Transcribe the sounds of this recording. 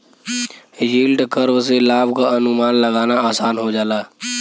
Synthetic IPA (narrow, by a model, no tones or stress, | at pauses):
jiːlɖkəɾʋselaːbkaənʊmaːnləɡaːnaaːsaːnɦod͡ʒaːlaː